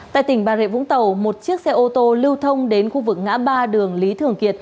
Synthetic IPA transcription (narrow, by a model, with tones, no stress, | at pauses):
t̪a̰ː˧˨jt̪ï˨˩ŋ̟ɓaː˨˩zḛ˧˨vʊ̰˧˥ŋt̪ə˨˩wmo˨˩t̚t͡ɕɨ˦˥ək̚sɛ˧ʔo˧t̪o˧lɨ˧wt̪ʰə˧wŋ͡mɗe˨˦nxu˧vɨ˨˩k̚ŋa̰ː˧˥ɓaː˧ɗɨ˨˩əŋli˨˦t̪ʰɨ˨˩əŋki˨˩ət̚